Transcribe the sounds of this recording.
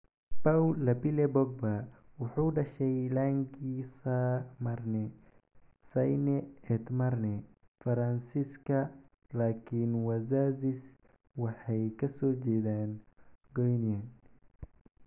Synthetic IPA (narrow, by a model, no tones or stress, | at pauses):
bawlɐbɪlɛbɔɡ̚bɐwɑħuːɖɐʃɛjlaːŋɡiːsɐmɐrnɛ | sɐjnɛɛt̪mɐrnɛ | fɐɾɐnsiskʰɐ | laːkʰinwɐzaːzis | wɑħɑjkʰɐsɔːt͡ʃɛːðaːnɡɔjnjɐn